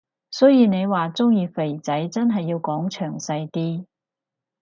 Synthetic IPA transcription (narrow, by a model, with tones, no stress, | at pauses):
sɵ˨˥jiː˨˧ne˨˧jwaː˨˩t͡sʊ˥ŋjiː˧fe˨˩jt͡sɐ˨˥jt͡sɐ˥nɦɐ˨jːiː˧wkɔː˨˥ŋt͡ʃʰœː˨˩ŋsɐ˧jt̪iː˥